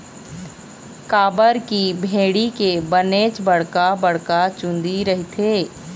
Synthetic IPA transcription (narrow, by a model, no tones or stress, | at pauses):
kaːbəɾkibʱeːɽikebəneːt͡ʃbəɽkabɐɽkat͡ʃʊ̃nd̪iɾɐɦit̪ʰeː